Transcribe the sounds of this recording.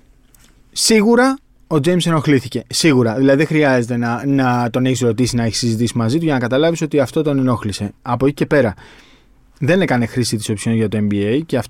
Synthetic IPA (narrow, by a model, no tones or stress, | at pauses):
siɣuɾɐ | o̞d͡ze̞jmse̞no̞xliθice̞siɣuɾɐðilɐðiðexɾiɐze̞t̪e̞nɐnɐt̪o̞ne̞çisɾo̞t̪isinɐe̞çi̥sizit̪isimɐzit̪uʝɐnɐkɐt̪ɐlɐviso̞t̪iɐft̪o̞t̪one̞no̞xlise̞ɐpo̞ci̥ce̞pe̞ɾɐ | ðe̞ne̞kɐne̞xɾisit̪i̥so̞psi̥o̞nʝɐt̪o̞e̞mbiejce̞ɐf